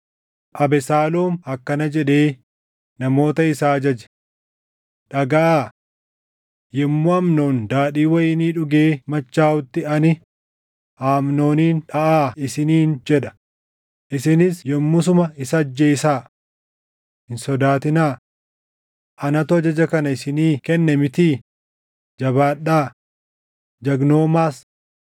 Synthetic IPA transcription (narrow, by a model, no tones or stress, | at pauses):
ʔɐbɛsaːloːmɐkːɐnɐd͡ʒɛᶑe̞ː | nɐmo̞ːt̪ɐɪsaːɐd͡ʒɐd͡ʒɛ̥ | ᶑɐɡaaː | jɛmːʊɐmnoːnd̪aːɗiːwɐjɪniːᶑʊɡe̞ːmɐt͡ʃːaːwʊt̪ːɪɐnɪ | aːmno̞ːniːnᶑɐʔaːɪsɪniːnd͡ʒɛᶑɐ̥ | ʔɪsɪnɪsjɛmːʊsʊmɐɪsɐːd͡ʒːeːsaː | hɪnsɔd̪aːt̪ɪnaː | ʔɐnɐt̪ʊɐd͡ʒɐd͡ʒɐkɐnɐɪsɪniːkɛnːɛmɪt̪iː | d͡ʒɐbaːᶑːaː | d͡ʒɐɡno̞ːmaːs